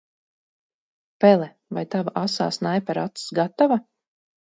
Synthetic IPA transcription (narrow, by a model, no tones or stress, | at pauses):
pɛlˠɛ | vajt̪avaʔasa̰ːsnajpɛɾat̪ssɡat̪ava